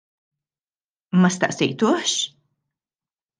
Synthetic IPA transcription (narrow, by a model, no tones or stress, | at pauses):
mɐst̪ɐ̰ʔsɛjt̪uħʃ